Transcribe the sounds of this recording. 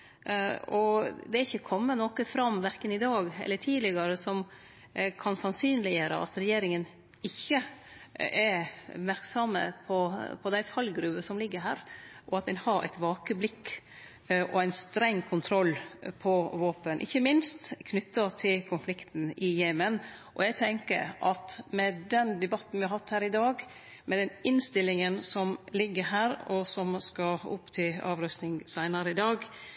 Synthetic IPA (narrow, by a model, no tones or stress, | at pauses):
ɔd̪ɛæɾɪçːəkʰɔmːənɔkəfɾɑmʋæɾkənɪd̪ɑːɡɛ̰lːəʈʰiːlɪɡɑɾəsɔm | kʰɑnsɑnsyːnlɪjəːɾə̰ʔɑ̰t̪ɾɛjeːɾɪŋən | ɪçːə | ɛɾmæɾksɑmːə̰pʰɔpʰɔd̪æɪfʰɑlɡɾʉbəsɔmlɪɡːəɾɦæ̰ːɾʔɔɑt̪̚d̪ɛnhɑɾæ̰ɪt̪ʋɑːkəblɪkː | ʔɔæɪnst̪ɾɛŋːkʰʊnt̪ʰɾɔlːpʰɔʋoːpənʔɪ̰çːəmɪnst̪kʰnʏt̪ːɑt̪ʰɪlkʰʊnflɪkt̪n̩ɪjeːmənʔɔ̰jæɡt̪ʰɛŋkə̰ɾʔɑt̪mɛd̪ɛnd̪ɛbɑt̪ːn̩ʋɪhɾhɑt̪hæːɾɪd̪ɑːɡ | mɛd̪ɛnɪnst̪ɪlːɪŋənsɔmlɪɡːəɦæːɾɔsɔmskɑʊ̰pːt̪ʰyɑ̰ːʋɾœst̪nɪŋsæɪnɑɾəɪd̪ɑːɡ